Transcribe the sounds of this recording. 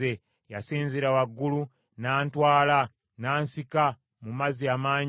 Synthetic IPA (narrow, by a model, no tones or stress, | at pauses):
e | jasiːnziɾawaɡːulu | naːntwaːla | naːnsika | mumaziamaːɲ